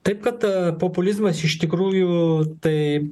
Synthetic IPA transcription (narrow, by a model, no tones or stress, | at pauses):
t̪ɐjp̚kɐt̪populʲizmɐsiʃt̪ʲikɾuːjut̪ɐj